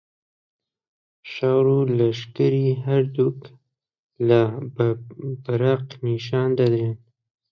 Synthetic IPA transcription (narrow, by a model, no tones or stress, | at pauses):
ʃɑɾulaʃkəɾiɦaɾd̪uk | la | b̥aɾaqniʃɑnd̪ad̪ɾen